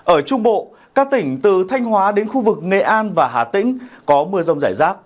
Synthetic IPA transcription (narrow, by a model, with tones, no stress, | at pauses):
ʔəː˧˩t͡ɕʊ˧ŋ͡mɓo̰˧˨ | kaː˦˥k̚t̪ï˧˩ŋ̟t̪ɨ̰˧˨t̪ʰa˧jŋ̟ɦwaː˨˦ɗe˨˦nxu˧vɨ˨˩k̚ŋḛ˧˨ʔaː˧nvaː˨˩ɦa̰ː˧˩t̪ḭ̈˧˥ŋ̟kɔ˨˦mɨ˧əzə˧wŋ͡mzaː˧˩jzaː˦˥k̚